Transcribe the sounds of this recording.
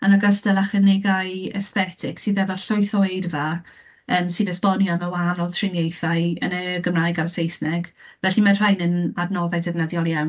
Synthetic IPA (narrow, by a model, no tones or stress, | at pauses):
anaɡəstɛlˠaχənɪɡaɨɛ̰sθɛtʰɪksiðɛvɔɬʊɨθoɨdva | əːmsɨðəspɔnjɔməwanɔlˠtʰrɪnjejθaɨə̰nəɡəmraːjɡarsejsnɛɡ̥vɛɬimar̥ajnənadnɔðajdɛvnaðjɔlˠjaw